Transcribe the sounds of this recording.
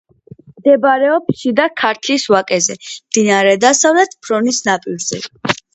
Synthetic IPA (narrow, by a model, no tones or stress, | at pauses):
md̪ɛbaɾɛɔpsid̪akʰaɾt̪ʰliswakʼɛzɛmd̪̥inaɾɛd̪asavlɛt̪ʰpʰɾɔnisnapʼiɾzɛ